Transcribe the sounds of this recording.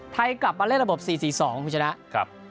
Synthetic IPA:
t̪ʰa˧jkla˨˩p̚maː˧le˥˩ɾa˧bo˨˩p̚siː˨˩siː˨˩sɔː˩˦ŋkʰuː˧˦t͡ɕʰa˧na˦˥ʔkʰp̚

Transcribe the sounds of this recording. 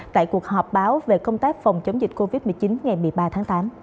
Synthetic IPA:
t̪a̰ː˧˨jku˨˩ək̚hɔ˨˩p̚ɓaː˨˦wve˨˩kə˧wŋ͡mt̪aː˦˥k̚fa˨˩wŋ͡mt͡ɕə˨˦wŋ͡mzi˨˩k̟̚ko˧vi˦˥t̚mɨ˨˩əjt͡ɕi˨˦nŋa˨˩jmɨ˨˩əjɓaː˧t̪ʰaː˨˦ŋt̪aː˨˦m

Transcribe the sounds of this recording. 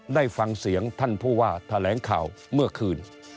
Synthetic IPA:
daː˥˩jfa˧ŋsi˩˦əŋt̪ʰa˥˩npʰuː˥˩waː˥˩t̪ʰa˧lɛː˩˦ŋkʰa̰ː˨˩wmɯ˥˩ɐkʰɯː˧n

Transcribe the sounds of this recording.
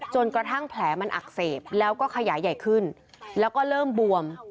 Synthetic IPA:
t͡ɕo˧nkɾa˧t̪ʰa˥˩ŋpʰlɛː˩˦ma˧nʔa̰˨˩k̚seː˨˩p̚lɛː˦˥wkɔː˥˩kʰa˧jaː˩˦jːa˨˩jkʰɯ˥˩n | lɛː˦˥wkɔː˥˩ɾɤː˥˩mbu˧əm

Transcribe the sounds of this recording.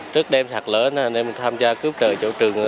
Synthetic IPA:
t͡ɕɨ˦˥ək̚ɗɛ˧msa˨˩k̚ləː˨˦na˨˩ne˧mɨ˨˩ŋt̪ʰaː˧mzaː˧kɨ˦˥əp̚t͡ɕə̰ː˧˩t͡ɕo̰˧˥t͡ɕɨ˨˩əŋ˧˨˩

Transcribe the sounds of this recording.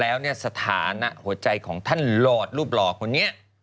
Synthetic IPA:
lɛː˦˥wni˥˩ɐsa˧t̪ʰa̰ː˩˦na˦˥ʔhu˨˩˦ɐt͡ɕa˧jkʰɔː˩˦ŋt̪ʰa˥˩nlɔː˨˩t̪̚ɾuː˥˩p̚lɔː˨˩kʰo˧nːi˦˥ɐʔ

